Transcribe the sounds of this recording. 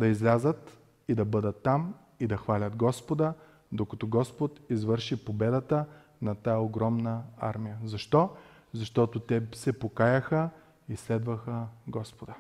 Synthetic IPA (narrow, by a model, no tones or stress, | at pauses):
d̪ɐizlʲazət̪ | id̪ɐbɤd̪ət̪ːam | id̪ɐxvalʲət̪ɡɔspod̪ə | d̪okɐt̪ɔɡɔspot̪izvɤɾʃipobɛd̪ət̪ə | nɐt̪ajəoɡɾɔmnəa̰ɾmijəzɐʃt̪ɔ | zɐʃt̪ɔt̪ot̪ɛsɛpokajəxə | islɛd̪vəxəɡɔspod̪ə